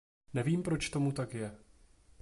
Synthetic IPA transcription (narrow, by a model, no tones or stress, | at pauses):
nɛviːmpɾo̞t͡ʃt̪o̞mut̪akjɛ